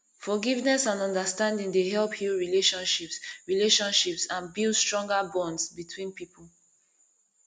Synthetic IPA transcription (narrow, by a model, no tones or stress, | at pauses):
fɔɡivnɛsãnɔ̃ndəstãndĩŋdeɦɛlˠphuɹileʃɔ̃nʃipsɹileʃɔ̃nʃipsãnbildstɹ̥ɔ̃ŋɡabɔ̃ndsbitʰwĩnpipəl̩ˠ